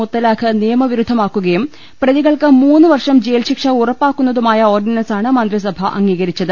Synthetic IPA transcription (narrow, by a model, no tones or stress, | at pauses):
ut̪ːɐlaːkʰɨnijɐmɐʋiɾud̪ʱːɐmaːkːuɣɐjum | prɐðiɣɐɭkɨmuːnːɨʋɐrʂɐmd͡ʑeːlɕikʂɐurɐpːaːkːunːɐðumaːjɐo̞ːrɖinɐnsaːɳɨmɐnd̪ris̬ɐbʱɐʔɐ̰ŋːiːɣɐɾit͡ɕːɐðɨ